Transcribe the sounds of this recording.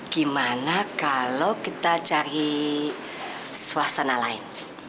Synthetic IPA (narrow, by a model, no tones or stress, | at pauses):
ɡ̥imanakalokit̪at͡ʃaɾi | swasanalaɪn